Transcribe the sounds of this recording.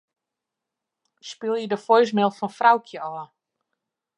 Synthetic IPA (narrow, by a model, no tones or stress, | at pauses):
spɪlˠjədəfɔjs̬mɪlˠfɔnfrawkʰjəɔː